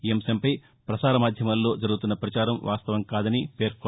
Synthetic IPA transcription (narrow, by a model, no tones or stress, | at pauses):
emsɐmpɐj | pɾɐsaːɾɐmaːd̪ʱjɐmɐlːo̞ːd͡ʒɐɾuɡut̪unːɐpɾɐt͡ʃaːɾɐmʋʔa̰ːst̪ɐʋɐmkaːd̪ɐnipe̞ːɾko